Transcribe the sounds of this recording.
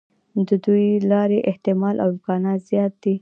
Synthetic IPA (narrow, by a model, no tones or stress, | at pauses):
d̪əd̪ujlɑɾeʔɪht̪ɪmɑlʔa̰wɪmkɑnɑt̪z̥jɑt̪̚d̪i